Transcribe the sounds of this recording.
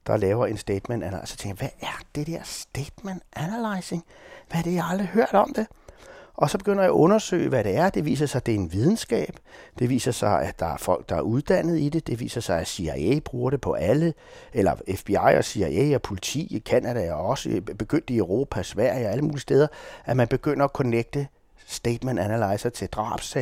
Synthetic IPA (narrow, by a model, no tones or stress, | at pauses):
d̥ɑ̈lɛːʊɐe̝nsd̥ed̥menæn̰sɒ̥t͡sʰeŋɡ̥ʋæʔæɐd̥ed̥eɐ̰sd̥ed̥mænænælɑɪse̝ŋ | ʋæɐd̥e̝jaɑ̈ld̥ʁihøɐ̰ɾ̥ɒ̽md̥e̝ʔɒ̽sɒ̽b̥e̝ɡ̥øn̰ɐjɑæʔɔ̽nɐsø̰ːɪəʋæɾe̝æɐd̥e̝ʋḭːs̬ɐsɑ̈ɪd̥e̝ɐe̝nʋið̞ˠn̩sɡ̥ɛ̰ːb̥d̥e̝ʋḭːsɐsɑ̈ɪæd̥ɑ̈æɐfɒ̽l̰ɡ̥̚d̥ɑ̈æɐuð̞ˠd̥æn̰ð̞̩ˠid̥e̝d̥e̝ʋḭːsɐsɑ̈ɪæsiæḛb̥ʁuːɐɾe̝pʰɒ̽ʔælə | elɐ̰efb̥iɑ̈ɪ̰ɒ̰siæeɒpʰo̝lit͡sʰḭːkʰænæd̥æɒɒ̽səb̥e̝ɡ̥øn̰d̥əiøʊʁo̝̰ːpʰæsʋæɐ̰jɒæləmuːlistd̥eːð̞ˠɐʔæmænb̥e̝ɡ̥øn̰ɐɒkʰoneɡ̥̚d̥ə | sd̥eɪd̥mendænælɑ̈ɪsɐt͡sʰe̝ld̥ʁɑ̰̈ːb̥sɛ